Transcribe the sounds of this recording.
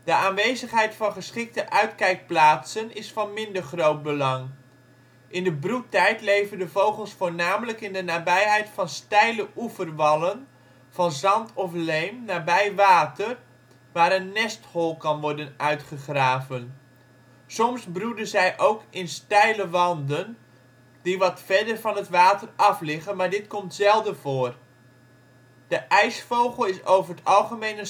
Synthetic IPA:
d̥əaːnʋejzəχɦɛjtfɑnχəsχɪk̚təʔœɥtkɛjk̚plaːtsənɪsfɑnmɪndəɹχrowt̚bəlɑŋ | ʔɪndəbrutːɛjtlejvəndəvowχəlˠsfoːɹnaːmələkɪndənaːbɛjɦɛjtfɑnstɛjləʔufərʋɑlən | v̥ɑnzɑntʰɔflejmnaːbɛjʋaːtər | ʋaːɾənːɛsthɔlˠkɑnʋɔɹdənœɥtχəχraːvən | sɔmsbrudəzɛjʔowkɪnstɛjləʋɑndən | diʋɑtfɛdərvɑnɦətʋaːtərɑflɪχənmaːɹdɪtkɔmtz̥ɛlˠdəv̥oːr | d̥əʔɛjsfowχəlˠɪsowvərətɑlˠχəmejnə

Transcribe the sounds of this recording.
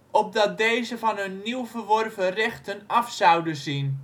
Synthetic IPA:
ʔɔp̚dɑt̚dejzəvɑnønːiwvərʋɔrvərɛxtənɑfsɑwdəzin

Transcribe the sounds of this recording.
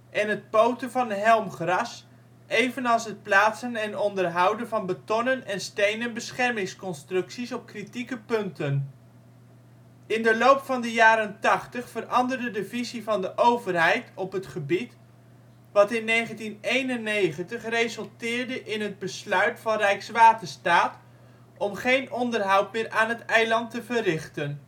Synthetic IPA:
ʔɛnɦət̚powtəvɑnɦɛlˠmχrɑs | ʔejvənɑlˠsɦət̚plaːtsənɛnɔndərɦʌwdənvɑnbətɔnənɛnstejnənbəsχɛrmɪŋskɔnstrɵksisɔp̚kritikəpɵntən | ɪndəlowpfɑndəjaːɾəntɑχtəχfərʔɑndərdədəvizivɑndəʔowvərɦɛjtɔpɦətχəbit | ʋɑtɪnːejχəntinejnənːejχəntəχrejzɵlˠtɪːɹdəʔɪnɦəd̚bəslœɥtfɑnrɛjksʋaːtəɹstaːt | ɔmχejnɔndərɦɑwtmɪːɹʔaːnɦətɛjlɑntəvərɪχtən

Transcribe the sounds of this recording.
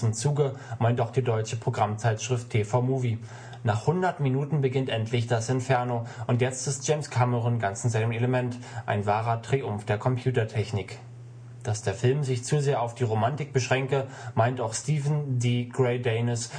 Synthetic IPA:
m̩t͡suːɡəmaɪntaʊxd̥iːdɔʏt͡ʃəpʁ̥oɡʁamt͡saɪtʃʁ̥ɪftʰːeːfaʊmuːvi | naːχhʊndɐtminuːtn̩bəɡɪntʔɛntʰlɪçd̥asɪntfɛɐnoʔʊntjɛt͡stɪst̚ʒ̥eɪmskʰaməʁənɡant͡sɪnzaɪnəm̩eləmɛnt | ʔa̰ɪnvaːʁɐtʁ̥iʔʊmfd̥eːɐkʰɔmpʰj̥uːtɐtʰɛçnɪk | d̥asd̥eːɐfɪlmzɪçt͡suːzeːɐaʊfd̥iːʁomantɪk̚b̥əʃʁ̥ɛŋkə | maɪntaʊxstiːvn̩diːɡ̥ʁɛɪdɛɪnɪs

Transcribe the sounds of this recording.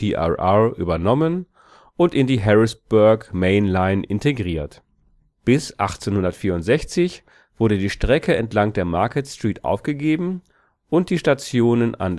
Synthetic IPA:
iʔa̰ʔaʔy̰ːbɐnɔmən | ʔʊntɪndiːɦɛʁɪsb̥œɐkmeɪnlaɪnʔɪ̰nteɡʁiːɐt | b̥ɪsʔa̰χt͡seːnhʊndɐtfiːɐʊntz̥ɛçt͡sɪç | v̥ʊɐɾədiːʃtʁ̥ɛkʰəɛntlaŋd̥eːɐmaɐkətstʁ̥iːtʔa̰ʊfɡ̥əɡeːbm̩ | ʔʊnt̚d̥iːʃtat͡sjoːnəna̰nd

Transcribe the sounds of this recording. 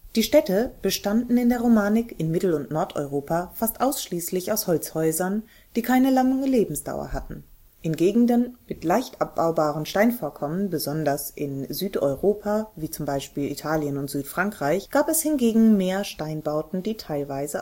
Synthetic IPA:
d̥iːʃtɛtəb̥əʃtandn̩ɪndeːɐʁomaːnɪkɪnmɪtl̩ʊntnɔɐtʔɔ̰ʏʁoːpʰafastʔaʊsʃliːslɪçaʊshɔlt͡shɔʏzɐn | d̥iːkʰaɪnəlaŋəleːbm̩sd̥a̰ʊɐ̰ɦatn̩ | ʔɪnɡeːɡŋ̩dənmɪtlaɪçtʔap̚b̥aʊbaːʁənʃtaɪnfoːɐkʰɔmənbəzɔndɐsʔɪ̰nzyːtɔ̰ʏʁoːpʰaviːt͡sʊmbaɪʃpiːlḭtʰaːljənʊntz̥yːtfʁ̥aŋkʁ̥aɪçɡ̥aːpɛshɪnɡeːɡŋ̩meːɐʃtaɪnbaʊtn̩diːtʰaɪlvaɪzə

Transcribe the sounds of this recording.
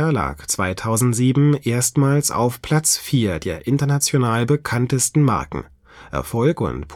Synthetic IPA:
ɐla̰ːkt͡sv̥a̰ɪtʰaʊzn̩tz̥iːbm̩ʔeːɐstmaːlsa̰ʊfpʰl̥at͡sfiːɐdeːɐʔɪntɐnat͡sjonaːlbəkʰantəstn̩ma̰ɐkŋ̩ | ʔɛ̰ɐfɔlkʊ̰ntpʰ

